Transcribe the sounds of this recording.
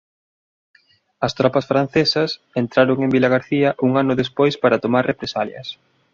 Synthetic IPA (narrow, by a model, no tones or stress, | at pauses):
ɐst̪ɾɔpɐsfɾan̟θesɐs | ent̪ɾaɾoŋembilaɣaɾθiɐʔuŋanʊðespojspaɾɐt̪omarepɾesaljɐ̰s